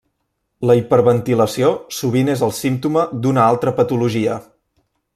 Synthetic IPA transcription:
ləipəɾβənt̪iləsiosuβ̞inezəlˠsimt̪uməd̪unəalˠt̪ɾəpət̪uluʒiə

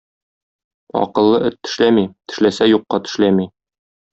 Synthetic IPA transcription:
ɒ̰qɤ̆lˠːɤɵt̪ːɘ̥̆ʃlæmit̪ɘ̥̆ʃlæsæjuqːɑt̪ɘ̥̆ʃlæmi

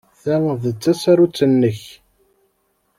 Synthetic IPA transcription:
θænðət͡sːæsæɾut͡sːənːəç

